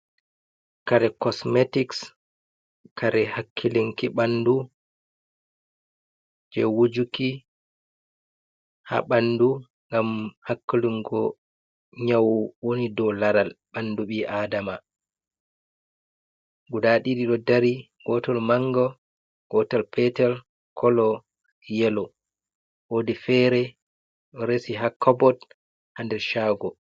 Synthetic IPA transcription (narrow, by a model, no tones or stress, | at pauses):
kaɾɛkɔsmetiks | kʰaɾɛhakʰːiliŋkiɓandu | d͡ʒɛwud͡ʒuki | ha̰ɓandu | ŋɡamhakːuluŋɡɔ | ɲawwonidɔlaɾalɓanduɓiʔaːdama | ɡudaɗiɗiɗɔdaɾi | ɡɔtɔlmaŋɡɔ | ɡ̥ɔtɔlpʰɛtɛl | kʰɔlɔ | jɛlɔ | wodifɛɾɛ | ɗɔɾesiɦakʰːɔbɔt | handɛɾʃaːɡɔ